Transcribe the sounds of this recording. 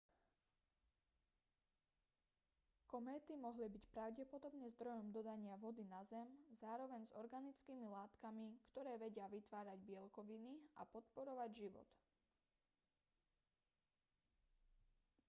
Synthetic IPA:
kɔmɛːt̪imɔɦlibicpɾaʊɟɛpɔd̪ɔbɲɛzd̪ɾɔjɔmd̪ɔd̪aɲɪaʋɔd̪inazɛmzaːɾɔʋɛɲzɔɾɡanit͡skiːmilaːt̪kamikt̪ɔɾɛːʋɛɟɪaʋit̪ʋaːɾaɟbɪɛlkɔʋinia̰pɔt̪pɔɾɔʋaɟʒiʋɔ̰t̪

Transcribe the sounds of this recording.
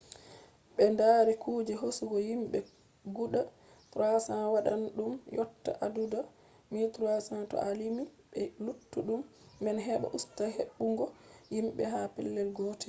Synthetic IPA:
ɓɛndaːɾɛkuːd͡ʒɛɦosuɡɔjimɓɛ | ɡuɗa | pɾasanwaɗanɗumjɔtːa̰ʔaduda | mitɾuasantɔ̰ʔalimiɓɛlutːuɗumː | ɛnɦɛɓa̰ʔustaɦeɓːuŋɡɔjimɓɛɦapɛ̰lːɛlɡɔːtɛ

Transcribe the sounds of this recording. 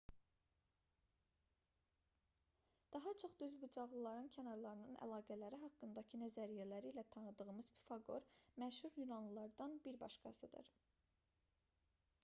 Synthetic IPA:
d̪̥ɑɦɑt͡ʃʰo̞χd̪yzbud͡ʒɑʁlˠɯlˠɑɾɯncʰænɑɾlˠɑɾɯnɯnæ̰lˠɑːɡælæɾiɦɑkːɯnd̪ɑcʰinæzæɾijælæɾiːlæt̪ʰɑnɯd̪ɯʁɯmɯz̥bi̥fɑɡo̞̰ɾmæʃhuɾjunɑnlˠɯlˠɑɾd̪ɑnbiɾbɑ̰ʃkɑ̰sɯd̪ɯ̰ɾ

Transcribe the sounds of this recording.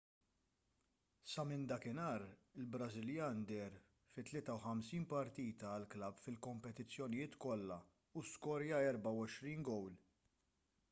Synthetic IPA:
sɐmɪnd̪ɐkɪnɐːɾɪlbɾɐzɪljɐːnd̪ɛɾ | fɪt̪ːlɪːt̪ɐwħɐmsiːnpɐɾt̪iːt̪ɐːlklɐbfɪlkɔmpɛt̪ɪt͡sːjɔnɪjɪːt̪kɔlːɐ | uskɔɾjɐɛɾbɐwɔʃɾiːnɡɔwl

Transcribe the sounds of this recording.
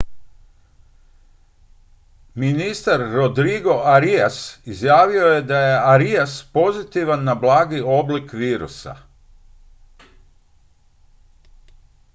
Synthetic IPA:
minist̪aɾːod̪ɾiɡo̞ʔaɾijasizjaːʋio̞je̞d̪aje̞aɾijaspo̞zit̪iʋanːablˠaːɡio̞blikʋiːɾṵsa̰

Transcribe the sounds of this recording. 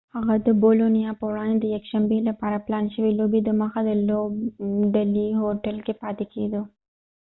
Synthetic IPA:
haɣad̪əbolonijɑpəwɽɑ̃nd̪ed̪əjakʃambelapɑɾaplɑnʃəwilobid̪əməxad̪əlobɖaliɦoʈəlkepɑːt̪eked̪u

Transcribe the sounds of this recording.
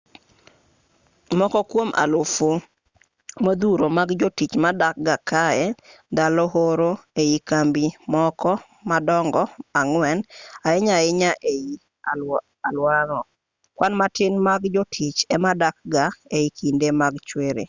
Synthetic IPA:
mɔkɔkwomʔa̰lofo | mod̪uɾomaɡd͡ʒɔtit͡ʃmadak̚ɡakaɛ | d̪alɔɦoɾoeikambimɔkʰɔ | madɔŋɡɔaŋwɛnaɪɲaɪɲaʔei | alwaɾɔ | kwanmatɪnmaɡd͡ʒɔtʰit͡ʃɛmadak̚ɡaeikʰindemaɡt͡ʃweɾḛ

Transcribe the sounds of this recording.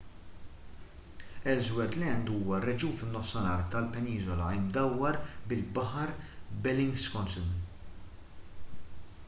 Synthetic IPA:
ɛzwɛɾt̪lɛnd̪uːwɐrːɛd͡ʒuːnfɪnːɔfsɐnɐːɾt̪ɐlpɛniːzɔlɐɪmd̪ɐwːɐɾbɪlbɐħɐɾbɛlɪŋɡskɔnsum

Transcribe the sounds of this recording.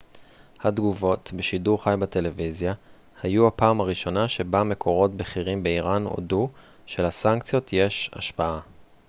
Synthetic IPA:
hadɡuvo̞tbeʃiduʁχajbate̞levizja | hajuhapaːmaʁiʃo̞naʃe̞bame̞kʰo̞ʁo̞tbeχiʁimbe̞iʁano̰du | ʃelasaŋkt͡sijo̞tʰje̞ʃa̰ʃpaa

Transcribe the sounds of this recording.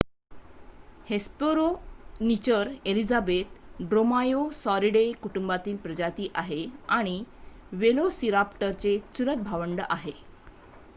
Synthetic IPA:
hespoɾonit͡ɕəɾelid͡zabet̪ɖɾomajosɔɾiɽekuʈumbat̪iːlpɾəd͡ʑat̪iːʔaɦeaɽ̃iʋelosiɾapʈəɾt͡set͡sulət̪̚bʱaʋəɳɖəʔaɦe

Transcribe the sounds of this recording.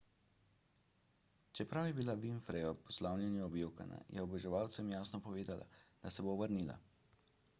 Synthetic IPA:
t͡ʃɛpɾawjɛbilaʋinfɾɛjɔpɔ̥slawnʲjɛnjɛɔbjowka̰na̰jɛɔbɛʒɛʋawt̪sɛmjaːsnɔpɔʋeːd̪alʔa̰d̪̥asɛboːbəɾnila̰

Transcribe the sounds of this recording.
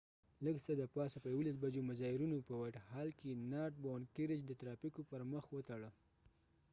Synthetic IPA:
ləɡsəd̪əpɑsapəjawolas̬bad͡ʒomʊzɑɪɾunopəwaʈhɑlkenɑʈ̚bawnkɪɾɪd͡ʒd̪ət̪ɾɑpikopəɾməxwət̪aɽə

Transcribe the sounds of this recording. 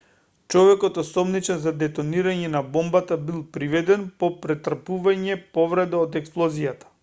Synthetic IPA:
t͡ʃɔvɛkɔt̪ɔsɔmnit͡ʃɛnzad̪ɛt̪ɔniɾaɲɛnabɔmbat̪abilˠpɾivɛd̪ɛnpɔpɾɛt̪r̩puvaɲɛpɔvɾɛd̪aot̪ɛksplˠɔzijat̪ḁ

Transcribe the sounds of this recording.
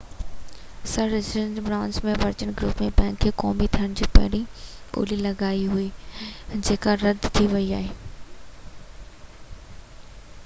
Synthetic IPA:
sɐɾːɪsɾənʈbɾãːnsmẽʋɐɾt͡ɕənɡɾṵːpmẽbɛ̃ːŋkʰːeːkɔːmit̪ʰiəɽ̃d͡ʑiːpɐ̰ɦɪɽ̃io̰ːlilɐɡaːiɦʊi | d͡ʑeːkaɾɐd̪t̪ʰiʋɐiaːɦeː

